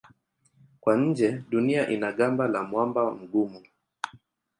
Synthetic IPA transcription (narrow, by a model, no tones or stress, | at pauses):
kwaɲ̩d͡ʒɛɗuniaʔinaɠambalamwambam̩ɡumu